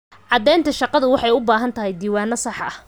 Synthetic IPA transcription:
ʕɑd̪ɛːjnt̪ʰɐʃɑqɑðʊwɑħɑjʊbaːɦɐnt̪ʰɐɦɛjd̪iːwaːnɐsɑħʔɐh

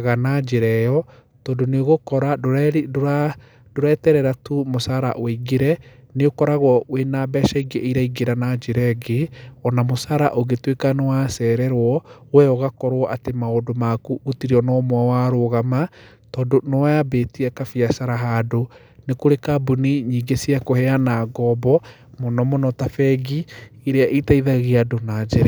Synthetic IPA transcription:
aɣanad͡ʒeɾɛjɔ | tɔːndoneoɣokɔɾadoɾɛɾoɾa | doɾɛːtɛɾɛɾatumosaɾa̰ʔweiɡeɾɛneokɔɾaɣwɔwenabɛʃaiɡeʔeiɾaiɡeɾanad͡ʒeɾɛɡeɔnamosaɾaʔoɣetwekanewasɛɾɛɾwɔwɛɔɣakɔɾwɔʔatemaodomakuʔotiɾiɔnɔmwawaɾoɣama | tɔːndonɔwajabetiɛkafiasaɾaɦaːdo | nekoɾekabuniɲiːŋɡesiakohɛanaɡɔbɔ | mɔnɔmɔnɔtafɛɡieɾeaʔitaiðaɣeadonad͡ʒeɾɛ

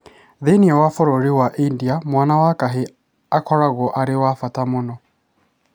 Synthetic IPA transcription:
ðeniɛwafɔɾɔɾiwaʔindiamwanawakaɦe | akʰɔɾaɣɔʔaɾɪwafatamʊnɔ

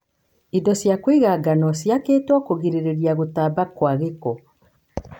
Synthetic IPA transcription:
idɔsjakwiɣaɡanɔsjakeːtwɔkoɣiɾeɾeɾiaɣotaːbakwaɣekɔ

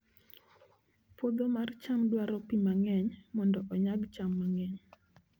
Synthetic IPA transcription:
fod̪omart͡ʃamdwaɾɔpimaŋɛɲmɔndɔʔɔɲaɡt͡ʃamːaŋɛɲ

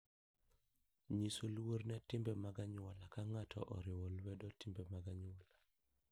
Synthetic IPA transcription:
ɲisolwoɾnɛtɪmbɛmaɡaɲʊwɔlakaŋatʰɔ̰ʔɔ̰ɾɪwolwɛdotɪmbɛmaɡaɲwɔla

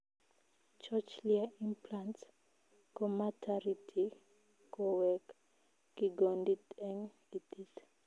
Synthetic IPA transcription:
t͡ʃat͡ʃliaimplans | kɔmatʰaɾitʰi | kɔwɛk | kiɡɔndit̪ɛŋ | itit

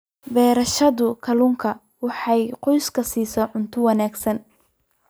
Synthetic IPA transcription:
bɛːɾɐʃɐðʊkʰɐlʊŋkʰɐ | wɑħɑjqɔjskʰɐsiːsɐʕʊnt̪ʰʊwɑnaːɡsɐn

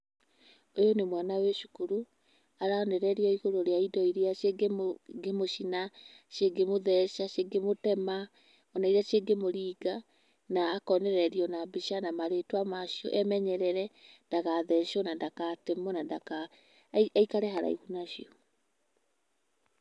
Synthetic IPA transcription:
ojonemwanaweʃu̥kuɾu | aɾaɔnɛɾɛɾiɔiɣoɾoɾeaidɔiɾeaeɡɡemoʃina | ʃeɡemoðɛʃaʃeɡemotɛma | ɔnaiɾiaʃeɡemoɾiːɡa | naːkɔnɛɾɛɾiɔnabiʃanamaɾetwamaʃiɔ̰ʔɛmɛɲɛɾɛɾɛndaɣaðɛʃɔnandakatemɔnandaka | aikaɾɛɦaɾa̰ḭɣunaʃiɔ

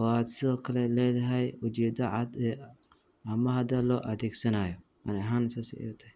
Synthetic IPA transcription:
ɔaːd̪sɪðɔːkʰɐlɛlɛːðɐɦɛjʊt͡ʃɛːd̪ɐʕɑd̪ɛ | ɐmɐhɐd̪ɐlɔːʔɐðɛːɡsɐnaːjɔ | ʔanɛɦansasḭʔɛ̰t̪ʰɐ̥hɛ

